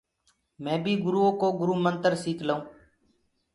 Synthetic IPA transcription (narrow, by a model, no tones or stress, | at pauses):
mɛ̃ːbʱiːɡʊɾuːõːkoːɡʊɾuːmənt̪əɾsiːkʰləũː